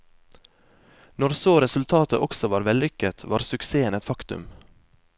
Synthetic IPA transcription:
nɔɾsoːɾɛsʉlt̪ʰɑːt̪əʔɔksɔʋɑːɾʋɛlʏkət̪ʰʋɑ̰ːɾsʉkseːənɛt̪fɑkt̪ʉ̰m

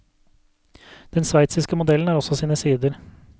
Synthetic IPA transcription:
d̪̥ɛnsʋæɪt̪sɪskəmʊd̪ɛln̩æːɾɔsɔsiːnəsiːd̪əɾ

